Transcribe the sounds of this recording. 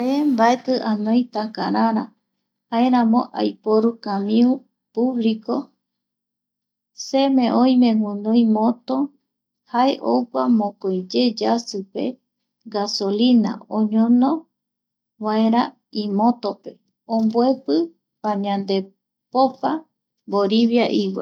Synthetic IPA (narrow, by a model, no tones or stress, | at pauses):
aembaet̪ɨʔanõj̃t̪akaɾaɾa | haeɾãmõ̰ʔa̰jpoɾukãmĩu | puβliko | semẽʔõj̃mẽwũnõĩmõt̪o | haeʔowkʷamõkojd͡ʒed͡ʒasɨpe̞̰ | ɡaso̞lina̰õɲõnõ | βaeɾa | imõt̪ope̞ | õmbwe̞pɨ | pãɲãnd̪e̞ | popa | boɾiβjaʔiwḛ